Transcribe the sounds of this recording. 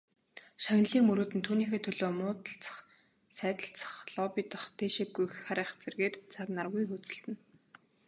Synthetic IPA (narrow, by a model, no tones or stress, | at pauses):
ʃaŋʲnɮiːŋmɵɾoːt̪ɘ̆nt̪ʰuːniːxeːt̪ʰɵɮoːmʊːt̪ə̆ɬt͡sə̥̆χ | sæːt̪ə̆ɬt͡sə̥̆χɮɔpit̪ə̆χt̪ʰeːʃiɡːujχaɾæːχt͡serɣeːrt͡sʰaknarɣujxɵt͡sɘ̆ɬt̪ɘ̆n